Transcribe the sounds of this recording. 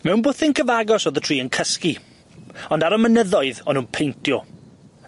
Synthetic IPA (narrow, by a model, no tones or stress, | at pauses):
mɛwnbʊθɪnkʰəvaɡɔsɔðətʰr̥iːənkʰəski | ɔndaɾɔmənəðɔɨðɔnunpʰejntʰjɔ